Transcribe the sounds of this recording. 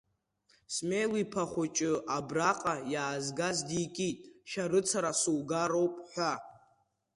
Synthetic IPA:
smejlipʰaχʷʊt͡ʃʼɨʔabraqʼajaːzɡazdikʲʼitʼʃaɾɨt͡sʰaɾasuwɡaɾo̞wpʼħʷᶣa

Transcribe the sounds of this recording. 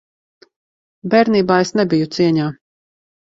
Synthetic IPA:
bɛɾniːbaːesnɛbijut̪siɛɲaː

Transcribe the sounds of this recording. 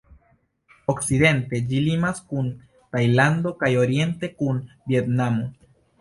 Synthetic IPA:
oksid̪e̞nte̞d͡ʒilimaskun | t̪ajland̪o̞kajo̞ɾje̞nte̞kunbje̞t̪namo

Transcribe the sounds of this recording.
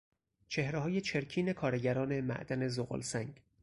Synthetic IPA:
t͡ʃʰe̞hɾeɦɒːjet͡ʃʰe̞ɾcʰiːne̞kʰɒːɾeɟæɾɒːne̞mæ̰ʔd̪æne̞zoɣo̰lsæŋɡ

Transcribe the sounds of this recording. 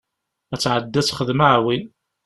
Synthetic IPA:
æt͡sːʕəd̪ːæt͡sːχəðmaʕwin

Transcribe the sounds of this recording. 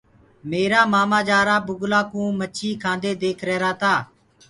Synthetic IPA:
meːɾaːmaːmaːd͡ʒaːɾaːbʊɡlaːkũːmət͡ʃʰiːkʰãːnd̪eːd̪eːkʰɾɛːɾaːt̪aː

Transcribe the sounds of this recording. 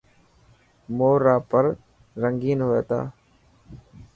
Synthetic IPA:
moːɾaːpəɾ | ɾəŋɡiːnɦoḛːt̪a̰ː

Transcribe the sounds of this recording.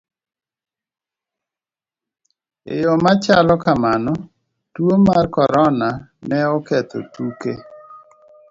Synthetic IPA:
ḛjɔmat͡ʃalɔkamanɔ | twomarkɔɾɔnanɛɔkɛt̪o̰tuke

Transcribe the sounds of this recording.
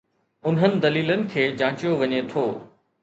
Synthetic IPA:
ʊnɦənɪ̆d̪ɐliːlənɪ̆kʰeːd͡ʑãːt͡ɕijoʋɐɲet̪ʰoː

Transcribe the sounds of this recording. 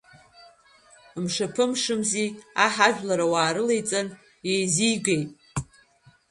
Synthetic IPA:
mʂapʰɨmʂɨmziaħaʒᶣlaɾawaːɾɨlejt͡sʼan | jejzijɡejtʼ

